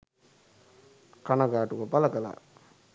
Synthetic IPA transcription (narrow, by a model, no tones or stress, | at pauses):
kanaɡaːʈukəpaləkəla̰